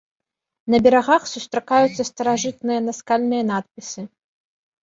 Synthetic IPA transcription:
nɐbʲɛɾaɣaxsust̪ɾakajut̪sːɐst̪ɐɾaʐɨt̪nɨjɐnaskalʲnɨjɐnat̪̚pʲisɨ

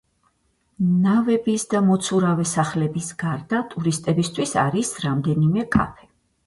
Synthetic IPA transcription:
navɛbisd̪amɔt̪sʰuɾavɛsaχlɛbisɡaɾd̪at̪ʼuɾist̪ʼɛbist̪ʰwisa̰ɾisɾamd̪ɛnimɛkʼa̰pʰɛ̥

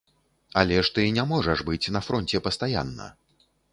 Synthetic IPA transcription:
alʲɛʂt̪ɨnʲamɔʐɐʐbɨt͡sʲnɐfɾɔnʲt͡sʲɛpɐst̪aja̰nːɐ̰

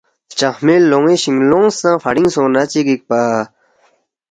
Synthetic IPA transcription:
t͡ɕaxmelːoŋiɕiŋloŋsãfaɽiŋsõnat͡ɕiɡik̚paː

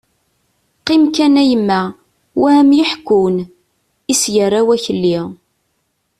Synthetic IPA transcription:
qɪmkænæjəmːæ | wæmjəħkːun | isʝərːawæçəlːiʁ

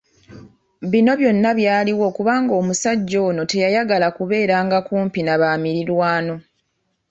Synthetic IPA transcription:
βino̞βjo̞nːaβjaːliwo̞kuβaːŋɡo̞ːmusaɟːo̞ːno̞te̞jajaɡalakuβe̞ːɾaːŋɡakuːmpinaβaːmiɾiɾwaːno̞

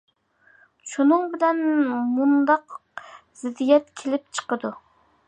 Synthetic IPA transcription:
ʃunɨŋbɪlɛnmund̪ɑqz̥ɪd̪ijɛt̪kʲʰelɪp̚t͡ʃʰə̥qəd̪u

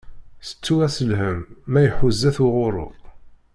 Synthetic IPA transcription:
sə̥t͡sːuæsəlɦəmːæjħʊzːæθʊʁʊɾˤʊ̰

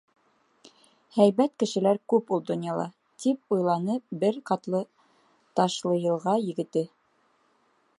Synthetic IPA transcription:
hæjβæt̪kɘ̆ʃɘ̆læɾkʉpulˠd̪ŏnjɑlˠɑ̰ | t̪ip̚ujlˠɑnɤpbɘɾqɑt̪lˠɤ | t̪ɑʃlˠɤjɤ̆lˠʁɑjɘ̆ɡɘ̆t̪ɘ

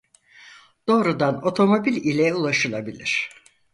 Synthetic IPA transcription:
d̪̥o̞ːɾud̪ano̞t̪ʰo̞mo̞bilʲilʲɛulˠaʃɯlˠabilʲiɾ̝̥

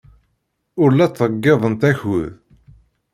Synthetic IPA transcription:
ʊɾlæt͡sːɾəɡːeðˤənt̪æçʊ̰ð

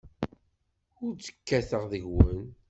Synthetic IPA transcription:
ʊɾt͡sːə̥kːæθəʁðəʝwən

